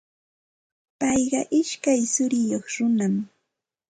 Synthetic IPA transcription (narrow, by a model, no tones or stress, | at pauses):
pɑjɢɑʔɪʃkajsʊɾɪjoχɾʊnam